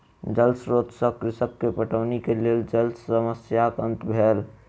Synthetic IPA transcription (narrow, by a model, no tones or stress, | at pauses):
d͡ʒəlsɾoːt̪səkɾɪsəkːepəʈəʋnikeleːld͡ʒəlsəməsjakə̃nt̪bʱeːl